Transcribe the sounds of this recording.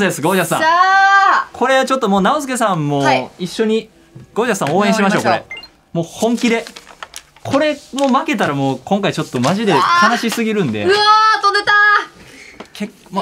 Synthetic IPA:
esɨɡo̞ːʑasã̰a | kʰo̞ɾe̞at͡ɕo̞t̪ːomo̞ːnaozɨke̞sãmːo̞ːiɕːo̞ɲ̟i | ɡ̥o̞ːʑasão̞ːẽ̞ɕimaɕo̞ːko̞ɾe̞̰ | mo̞ːhõ̞ŋkʲid̪e̞ | kʰo̞ɾe̞mo̞make̞t̪aɾamo̞ːkõ̞ŋkait͡ɕo̞t̪ːo̞maʑid̪e̞k̪ʰanaɕisɨɡʲiɾɯ̟̃nd̪e̞ɯat̪onet̪a | kʰek | m

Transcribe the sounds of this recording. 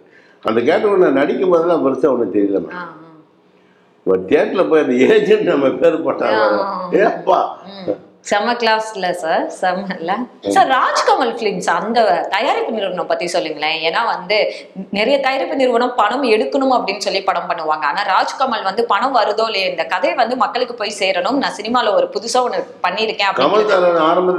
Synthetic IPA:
ɐnd̪ɐk̬eːʈːɐnãːnɐɽɪkʲːɯmboːðɪlãːpɐɾɯt͡ʃːɐɔnːɯk̚t̪ɛɾɪðɐnã̰aː | ʋɐt̪eːɾt̪ːɪlɐpoːjɐnd̪ɐeːɲd͡ʒɐnnɐmːɐpeːɾpoːʈːã̰ːʋeɾõeɐpːa̰ː | sɐmɐɾklaːsɪlɐsaːɾsɐmɐlːɐsaːɾːaːd͡ʒkamɐlflinsɐnd̪ɐt̪ɐjaːɾɪpːɐnːɪɾɯʋɐɳʊ̃mpɐt̪ːisɔlːɯŋɡɐɭlẽːeːnːaːʋɐnd̪ɯ | nɛɾɐjɐt̪ɐjaːɾɪpːɯnɪɾɯʋɐɳɯ̃mpɐɳɐmɛɽɯkːɐɳɯmɐpːɐɽɪnːɯsɔlːipɐɽɐmpɐɳːɯʋaːŋɡɐaːnaːɾaːd͡ʒkɐmɐlʋɐnd̪ɯpɐɳɐmʋɐɾɯðoːlɪnd̪ɐkɐðɐɪʋɐnd̪ɯmɐkːɐɭɯkːɯpoːjseːɾɐɳɯmnãːsɪnɪmaːlɐɔɾɯpʊðʊsɐ̃ɔnːɯpɐɳːiɪɾɯkːẽːɐpːkɐmɐlkaːlɐnaːɾɐmbɐ

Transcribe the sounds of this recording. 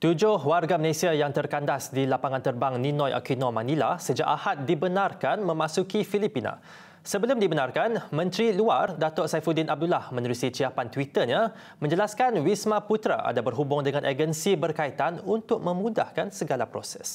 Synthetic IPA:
t̪ud͡ʒʊhwarɡaməlesiajaŋt̪ərkandasdilapaŋãnt̪ərbaŋnĩnɔ̃jʔa̰kinɔ̃mãnila̰səd͡ʒa̰ʔahat̪̚dibənarkanmə̃mãsukifilipinã̰ | səbəlʊmdibənarkanmə̃nt̪ɾiluardat̪ɔʔsajfudinʔab̚dulahmə̃nuɾusit͡ʃiapant̪wit̪əɲa | mə̃ɲd͡ʒəlaskanwismãput̪ɾa̰ʔa̰dabərɦubʊŋdəŋãnʔeɡənsibərkait̪anunt̪ʊk̚mə̃mũda̰hkansəɡalapɾo̰sɛ̰s

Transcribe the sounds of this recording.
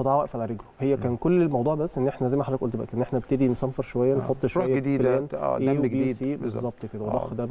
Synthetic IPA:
ɑd̪ˤɑʕwæʔfʕalæɾeɡɾuhejːækæːnkolːelmɑwd̪ˤuːʕbæsːʔenːʔeħnæzæjmæħad̪ækʔolt̪bæʔækeʔenːʔeħnæbet̪ed̪insæmfeɾˤʃowæjːænħot̪ˤːʃoæjːæd̪iːfelæːn̰ːʔewɡiːsiːbezˤːɑb̚t̪ˤked̪æwelˤɑ̰xd̪æ

